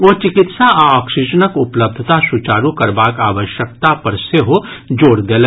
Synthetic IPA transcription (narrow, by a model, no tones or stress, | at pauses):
ot͡ʃɪkɪt̪saaɔːkʃɪd͡ʒənəkʊpləb̚d̪ʱt̪asut͡ʃaːɾukɐɾbaːkaːʋəʃjək̚t̪apɐɾseɦod͡ʒoːɾd̪eːleː